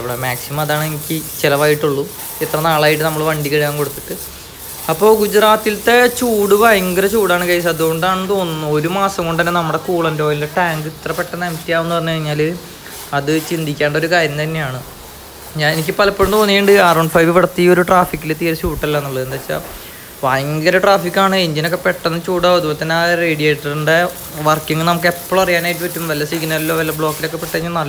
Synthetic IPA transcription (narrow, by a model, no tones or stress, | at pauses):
ɐʋiɽemaːksimɐmɐðaːɳɨenikʲːɨt͡ɕelɐʋaːjiʈːuɭːu | et̪rɐnaːɭaːjiʈ̬ːɨnɐmːɐɭʋɐɳɖikɐɻikaːŋko̞ɽut̪ːi̥ʈːɨ | ɐpːo̞ːɡud͡ʑraːt̪ːilt̪et͡ɕuːɽuʋɐiŋɡɐɾɐt͡ɕuːɽaːɳɨkɐjs̬ɐðuko̞ɳɖaːɳɨt̪o̞ːnːunːuo̞ɾumaːsɐŋko̞ɳɖɐnːenɐmːɐɽe̞kuːɭɐndo̞ːjilːɐʈaːŋɡɨit̪rɐpːeʈːɐnɐmt̪ːjaːmenːupɐrɐɲːukɐɻiɲːaːlɨ | ɐðɨt͡ɕind̪ikʲːaːɳɖo̞ɾukaːɾjɐmt̪ɐnːejaːɳɨ | ɲaːnenikʲːɨpɐlɐpːeɻumt̪o̞ːnːiːɳɖɨarɐwɳɖɨfɐjʋɨʋiɽɐt̪ːio̞ɾuʈraːfikʲːilet̪ːiːɐɾɕuːʈːɐilːenːuɭːɐðɨend̪aːt͡ɕːa̰ | ʋajŋɡɐɾɐʈraːfikːaːɳɨeɲd͡ʑinokːe̞pe̞ʈːɐnːɨt͡ɕuːɽoɐðupot̪ːɐnːaːreːɽijeːʈːɐrɨɳɖe | ʋɐrkːiŋːɐlnɐmuk̬ːe̞pːoɭɐrijaːnaːjʈːɨmpɐtːumʋɐlːɐsiɡnɐlilːo̞ːʋɐlːɐbɭo̞ːkːilo̞kːepeʈːɐɲːunɐlː